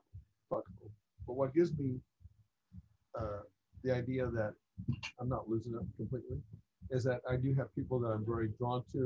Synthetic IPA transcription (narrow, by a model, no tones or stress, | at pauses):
fʌkbl̩ˠ | b̥ʌt̚wʌt̚ɡ̥ɪvzmi | ʌ | ðiaɪdiɨðɨɾ̚ | ãɪ̃mnətˡlʉzɪ̃ŋʌp̚kʰm̩pʰl̥itˡli | ɨzðɨɾaɪdɨɨv̥pʰipl̩ˠðəɾãɪ̃ɱvɛɹidɹɔ̃ntʰʉ